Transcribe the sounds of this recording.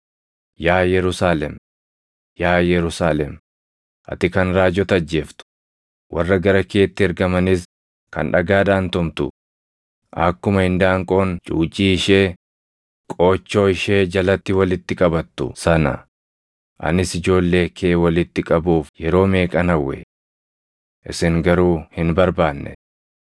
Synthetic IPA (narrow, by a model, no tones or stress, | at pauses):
jaːjɛɾʊsaːlɛm | jaːjɛɾʊsaːlɛm | ʔɐ̰t̪ɪkɐnɾaːd͡ʒɔt̪ɐd͡ʒːe̞ːft̪ʊ̥ | wʔɐrːɐɡɐɾɐke̞ːt̪ːɪɛɾɡɐmɐnɪs | kɐ̰nᶑɐɡaːd̪aːnt̪ɔmt̪ʊ̰ | ʔɐ̰kːʊmɐhɪnd̪aːŋkʼo̞ːnt͡ʃʼuːt͡ʃʼːiːɪʃeː | kʼo̞ːt͡ʃːo̞ːɪʃe̞ːd͡ʒɐlɐt̪ːɪwɐlɪt̪ːɪkʼɐbɐt̪ːʊ̰sɐnɐ̰ | ʔɐ̰nɪsɪd͡ʒo̞ːlːe̞ːkʰeːwɐlɪt̪ːɪkʼɐbuːfjɛɾo̞ːme̞ːkʼɐnɐwːɛ̰ | ʔɪsɪŋɡɐɾuːhɪnbɐɾbaːnːɛ̰